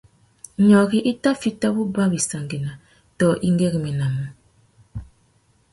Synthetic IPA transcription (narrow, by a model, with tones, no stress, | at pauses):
ɲɔ˨ɣi˦ʔi˦ta˦fi˦ta˦bu˦ba˦bi˨sa˨ŋɡe˨na˨ | tɔ˨ʔi˦ŋ˦ɡɛ˦ɣi˨mɛ˨na˨mu˦